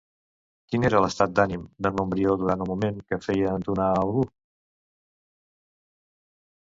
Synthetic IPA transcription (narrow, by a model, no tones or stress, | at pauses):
kineɾələst̪at̪̚d̪animd̪ənombɾiod̪uɾant̪ulˠmumeŋkəfɛjəːnt̪unaəwɣu